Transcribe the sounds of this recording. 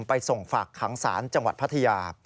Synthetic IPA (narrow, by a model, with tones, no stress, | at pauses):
mpa˧jso˨˩ŋfaː˨˩kʰːa˩˦ŋsa̰ː˩˦nt͡ɕa˧ŋwa˨t̪̚pʰa˦˥t̪ʰa˧jaː˧